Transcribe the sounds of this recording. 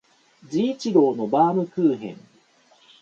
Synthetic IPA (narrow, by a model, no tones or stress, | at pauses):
d͡ʑiːt͡ɕiɡo̞ːno̞baːmɯ̟kɯːɦẽ̞̰ŋ